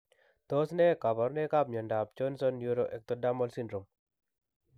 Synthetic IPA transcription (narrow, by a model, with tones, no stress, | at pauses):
t̪ɔ˦snɛ˦ka˨bɔ˨ɾnɛ˦ka˦p̚ɲɔ˨nda˨p̚d͡ʒɔ˦nsɔ˦nju˦ɾoʔɛ˨k̚t̪ɔda˦mɔ˦lsi˦ndɾo˨m